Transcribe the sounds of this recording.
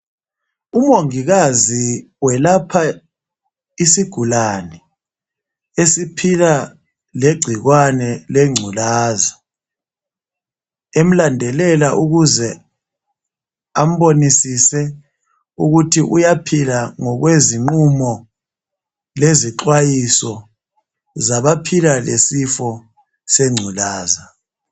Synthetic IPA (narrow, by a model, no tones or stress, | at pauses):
umoŋiɣazi | wɛlapʰa | isiɡ̥ʱulanɛ | esipʰila | leɡ͡ǀʱiɣwanɛleŋ͡ǀʱulaːza | em̩landʱɛlɛlaʔuɣuzɛ | am̩βonisisɛ | uɣutʰiʔujapʰilaŋɔɣweziŋ͡ǃumɔ | leziǁwajisɔ | zaβapʰilalesifɔ | seŋ͡ǀʱulaːza